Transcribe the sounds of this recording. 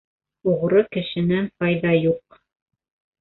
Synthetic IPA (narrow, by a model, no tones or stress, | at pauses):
uʁɾokɘ̆ʃɘ̆næntɑjðɑjuq